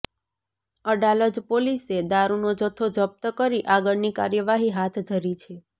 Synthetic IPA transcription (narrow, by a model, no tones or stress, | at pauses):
əɖaləd͡ʒpolised̪aɾunod͡ʒət̪ʰːod͡ʒəp̚t̪əkəɾiʔaɡəɭnika̰ɾjəʋaɦiɦat̪ʰd̪ʱəɾit͡ʃʰe